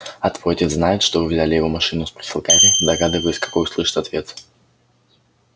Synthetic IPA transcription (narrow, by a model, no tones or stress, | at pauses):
ɐt̪votʲeznajɪt̪ʂt̪oɨvʲzʲalʲɪjɪvo̞mɐʂɨnʊspɾʲə̥sʲɪlˠkamʲɪd̪ɐɡad̪ɨvəlʲˠɪsʲkɐ̥ko̞jʊslˠɨʂɨ̥t̪ʲɐt̪vʲe̞t̪